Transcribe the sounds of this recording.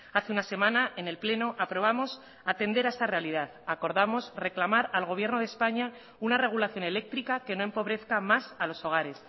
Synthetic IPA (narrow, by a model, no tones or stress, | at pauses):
aθe̞unase̞mãnaʔene̞lple̞no̞ʔapɾo̞β̞amo̞s | at̪e̞nd̪e̞ɾaest̪are̞alið̞aðako̞ɾðamo̞sre̞klamaɾalɣ̞o̞β̞je̞ɾno̞ð̞espaɲa | unare̞ɣ̞ulaθjo̞ne̞le̞k̚t̪ɾikake̞no̞e̞mpo̞β̞ɾe̞θkamasalo̞so̞ɣ̞aɾe̞s